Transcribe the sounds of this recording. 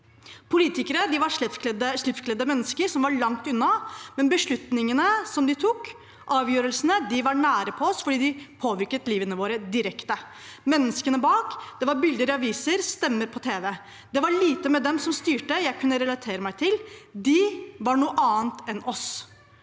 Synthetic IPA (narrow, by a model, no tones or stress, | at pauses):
pʰʊliːt̪ɪkəɾəd̪ɪʋɑɾʂɛd̪əʂlɪpfkʰlɛd̪ːəmɛnːəskəɾsɔmʋɑɭɑŋt̪ʉnːɑmɛnbəʂɭʉt̪nɪŋənəsɔmd̪ɪt̪ʰuk | ʔɑːʋjøːɾəlsənəd̪ɪʋɑɾɳæːɾəpʰɔɔsfɔɖiːd̪ɪpʰoːʋɪɾkət̪liːʋənəʋoːɾəd̪ɪɾɛkt̪ə | mɛnːəskənəbɑːkd̪̥ɛʋɑɾbɪld̪əɾɑʋiːsəɾst̪ɛmːəɾpʰɔt̪ʰeːʋɛ | d̪̥ɛʋɑɭiːt̪əmɛd̪ɛmsɔmst̪yːʈəjæɪkʰʉnːəɾɛlɑt̪ʰeːɾəmæɪt̪ʰɪld̪ɪʋɑɳuːəʔɑːnt̪ɛnɔs